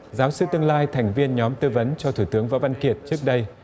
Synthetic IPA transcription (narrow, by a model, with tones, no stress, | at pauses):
zaː˨˦wsɨ˧t̪ɨ˧əŋlaː˧jt̪ʰɛ˨˩ŋ̟vi˧ənɲɔ˨˦mt̪ɨː˧və˨˦nt͡ɕɔ˧t̪ʰu˧˩t̪ɨ˨˦əŋva̰ː˧˥va˧nki˨˩ət̚t͡ɕɨ˦˥ək̚ɗə˧j